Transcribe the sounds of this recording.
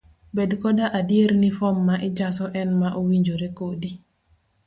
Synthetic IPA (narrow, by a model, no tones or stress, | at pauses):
bedkɔdaʔadieɾnifɔmːaʔɪd͡ʒasɔʔɛnmaʔowiɲd͡ʒoɾekodi